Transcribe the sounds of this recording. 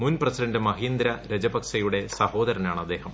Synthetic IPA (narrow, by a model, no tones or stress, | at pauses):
munprɐsiɖɐndɨmɐɦiːnd̪ɾɐɾed͡ʑɐbɐkʂɐjuɽe̞sɐho̞ːd̪ɐɾɐnaːɳɐd̪ːe̞ːɦɐm